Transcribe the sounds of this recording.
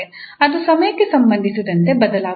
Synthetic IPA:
eɐd̪usɐmɐjɐkːesɐmbɐnd̪ʱisud̪ɐnt̪e̞bɐd̪ɐlaː

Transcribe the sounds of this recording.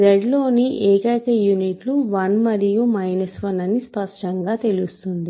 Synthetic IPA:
ɾeɖlo̞ːniʔeːkɐjkɐjuniʈluʋɐnmɐɾijumɐjnɐsʋɐnɐnispɐʂʈɐŋɡaːt̪e̞lust̪und̪i

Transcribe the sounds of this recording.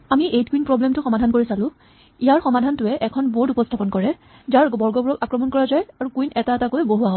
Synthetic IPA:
amiʔejt̚kuinpɹɔblɛmtʊxɔmadʱankoɹisalʊ̃ | ijaɹxɔmadʱantʊɛʔɛkʰɔnbotupɔstʰapɔnkɔɹɛ | zaɹbɔɹɡɔbɔɹɔkakɹɔmɔnkɔɹazajaɹukwinɛtaɛtakojboɦuaɦɔ

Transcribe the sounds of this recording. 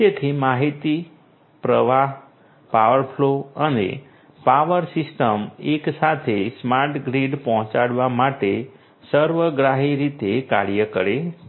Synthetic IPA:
d͡ʒet̪ʰimaɦit̪i | pɾəʋaɦ | paʋəɾpʰloənḛ | paʋəɾsɪsʈəmeksat̪ʰesmaɾʈɡɾiɖpɔɦɔ̃t͡ʃaɽʋamaʈe | səɾʋəɡɾaɦiɾit̪eka̰ɾjəkəɾe

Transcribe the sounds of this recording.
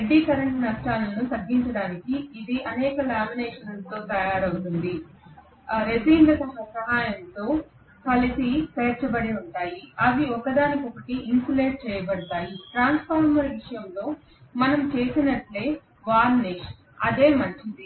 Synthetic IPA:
eɖːiːkɐɾɐɳʈnɐsʈaːlɐnːut̪ɐɡːiɲt͡ʃɐɽaːnikiːd̪iʔɐnɛːkɐlaːmineːʂɐnɐst̪o̞ːt̪ɐjaːɾɐwt̪und̪i | ɾe̞siːɳlɐt̪ɐɐsɐɦaːjɐmt̪o̞ː | kɐlisipɐːt͡ʃɐbɐɽiuɳʈaːjiɐd̪iɔkɐd̪aːnikɔkɐʈiʔːnkule̞ːʈ̚t͡ʃɛːjɐbɐɽut̪aːjiʈɾaːnspʰaːɾmɐɾʋiʂɐjɐmlo̞ː | mɐnɐmt͡ʃe̞ːsinɐʈle̞ː | ʋaːɾneːʂɐ | ɐd̪e̞ːmɐɲt͡ʃid̪i

